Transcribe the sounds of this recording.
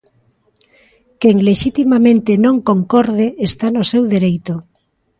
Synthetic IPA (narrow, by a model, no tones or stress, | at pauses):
keŋleʃit̪imamẽnt̪enõŋkoŋkɔɾðeest̪anosewðeɾejt̪o